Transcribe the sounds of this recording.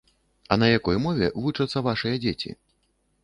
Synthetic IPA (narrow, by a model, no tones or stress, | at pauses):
ɐnɐjakɔjmɔvʲɛ̰vut͡ʂɐt̪sːɐvaʂɨjɐd͡zʲet͡sʲḭ